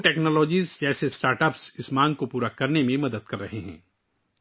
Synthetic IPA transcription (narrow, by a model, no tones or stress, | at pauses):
ʈɛːknɔːlɔːd͡ʒiːzd͡ʒɛːsesʈaːɾʈɐpsɪsmãːŋɡ̚kopuːɾakɐɾnemẽmɐd̪əd̪̚kɐɾːɐɦeɦɛ̰̃ː